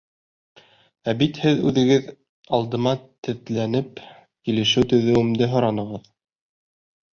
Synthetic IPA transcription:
æbit̪hɘðʉðɘ̆ɡɘð | ɑlˠd̪ɤ̆mɑt̪ɘ̆ðlænɘp | kilɘ̆ʃɘwt̪ɵ̆ðɘ̆wɘ̆md̪ɘɦŏɾɑnɤ̆ʁɤð

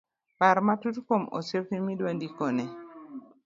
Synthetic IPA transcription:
paɾmatutkomo̰sefimidwandikone

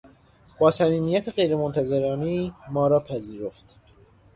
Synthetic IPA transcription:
b̥ɒːsæmiːmijæt̪ʰeɣe̞jɾemont̪ʰæze̞ɾɒːneːmɒːɾɒːpʰæziːɾo̞ft̪

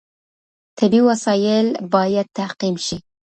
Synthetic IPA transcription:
t̪ʰabiwasɑjɪlbɑjad̪̚t̪ahqimʃi

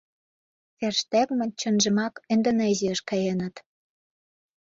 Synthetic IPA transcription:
t͡serʃt̪ækmə̆nʲt͡ɕənʒə̆mɑkĕnd̪ŏneziəʃkɑjenə̆t̪

